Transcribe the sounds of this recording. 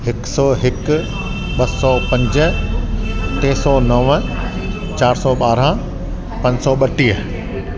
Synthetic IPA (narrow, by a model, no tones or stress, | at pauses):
ɦɪksɔːɦɪk | ɓɐsɔːpɐ̃ɲd͡ʑə | t̪eːsɔnɐʋə | t͡ɕaːɾsɔɓaːɾã | pɐ̃ɲsɔɓɐʈiːə